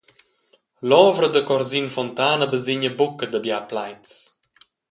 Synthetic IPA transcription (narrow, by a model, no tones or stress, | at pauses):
lɔːvɾəd̪əkɔɾzinfɔnt̪aːnəbəzɪɲəbukəd̪əbjaːplajt͡s